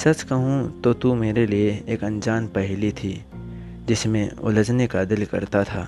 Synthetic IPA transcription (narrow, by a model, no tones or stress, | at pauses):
sɐt͡ʃkɐɦũt̪ot̪umeːɾelieeːkɐ̃nd͡ʒaːnpɛɦlit̪ʰiː | d͡ʒɪsmẽʊ̰ləd͡ʒnekad̪ɪlkɐ̰ɾt̪at̪ʰaː